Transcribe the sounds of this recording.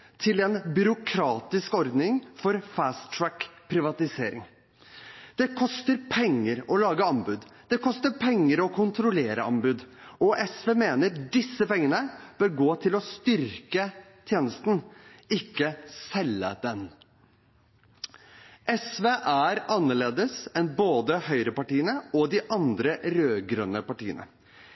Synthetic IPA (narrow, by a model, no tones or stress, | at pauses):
t̪ʰɪlɛnbʏɾʊkʰɾɑːt̪ɪskɔɾd̪nɪŋfɔɾfæːst̪ʰɹækpʰɾɪʋɑt̪ɪseːɾɪ̰ŋ | d̪̥ɛkʰɔst̪əɾpʰɛŋːəɾɔlɑːɡəɑmbʉːd̪d̪̥ɛkʰɔst̪əɾpʰɛŋːəɾɔkʰʊnt̪ʰɾʊleːɾə̰ɑmbʉːd̪ɔʔɛsʋeːmeːnəɾdɪsːəpɛŋːənəb̥øːɾɡoːt̪ʰɪlɔst̪ʏɾkə | t̪ʰjeːnəst̪n̩ɪkːəsɛlːə̰d̪ɛn | ʔɛsʋeːʔæɾɑnːəɭeːd̪əsɛnboːd̪əhœʏɾəpɑʈiːənəɔd̪ɪʔɑnd̪ɾəɾøːɡɾœnːəpɑʈiːə̰nʔə̰